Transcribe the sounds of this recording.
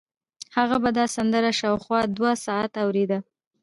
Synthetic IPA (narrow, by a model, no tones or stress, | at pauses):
haɣabad̪ɑsand̪əɾaʃɑwxwɑd̪wasɑat̪awɾed̪a